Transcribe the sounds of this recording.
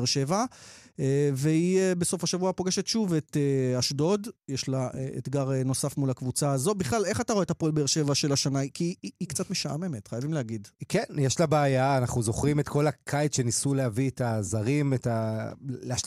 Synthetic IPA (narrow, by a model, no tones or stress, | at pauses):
ʁʃe̞vaeveiebeso̞faʃavuapo̞ɡeʃetʃuveteaʃdo̞djeʃlaeḛt̪ɡaʁeno̞safmulakvut͡saːzo̞biχlale̞χataʁoetapoelbeeʁʃe̞vaʃe̞laʃanaikiːkt͡satmeʃaame̞me̞tχajavimlehaɡidkenjɛʃlabeːjaːnaχnuzo̞χʁimetkʰo̞lakʰajtʃe̞nisulehavietazaʁimetaleaʃ